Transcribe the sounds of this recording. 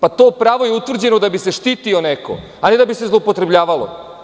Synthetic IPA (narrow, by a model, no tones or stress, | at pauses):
pat̪o̞ːpɾaːʋo̞jeut̪vr̩d͡ʑenod̪abise̞ʃt̪iːt̪io̞neko̞̰ | aned̪abisezlˠoupo̞t̪ɾebʎaːʋalˠo̰